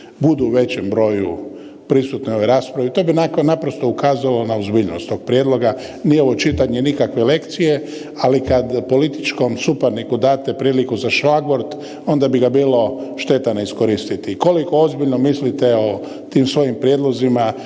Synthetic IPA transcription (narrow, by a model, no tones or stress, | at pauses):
bud̪uːʋe̞t͡ɕembɾo̞ːju | pɾisut̪nio̞ʋeɾaːspɾaʋit̪o̞ːbinaknapɾost̪o̞ukaːzalonaozbiːʎno̰st̪o̞ːɡ̚pɾje̞d̪lo̞ɡa | nijeoʋot͡ʃit̪aɲenikakʋele̞kt̪sije | alikad̪po̞lit̪i̥t͡ʃko̞msupeɾnikud̪aːt̪e̞pɾiːlikuzaʃʋaɡʋoɾd̪ | o̞nd̪abiɡabiːlo̞ʃt̪e̞t̪anaisko̞ɾist̪it̪iko̞likoozbiʎno̞mislit̪eo̞ | t̪iːmsʋo̞jimpɾje̞d̪lo̞zima